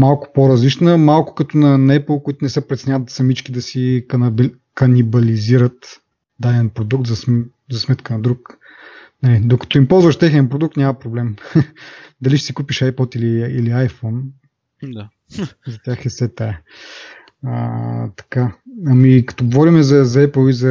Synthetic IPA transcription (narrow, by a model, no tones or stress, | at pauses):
malˠkʊ̥poɾɐzlit͡ʃnəmalˠkʊ̥kɐt̪onɐnɛplˠkoit̪ʊnɛsɛpɾɛt̪sɛnʲavət̪sɐmit͡ʃkʲid̪ɐsib | kɐnibɐliziɾət̪ | d̪ad̪ɛnpɾod̪uk̚t̪zɐs | zɐsmɛt̪kənɐd̪ɾuk | nɐlid̪okɐ̥t̪ɔimpɔlˠzvəʃt̪ɛxnʲiɐnpɾod̪uk̚t̪nʲamɐpɾoblɛm | d̪ɐliʃɛ̥sikupiʃajpɔt̪iliːliajfɔn | d̪a | zɐt̪ʲjaxɛsɛt̪aɛ | ə̰t̪ɐ̥kaɐmikɐ̥t̪ɔɡovɔɾimɛzɐzɐɛplˠizɐ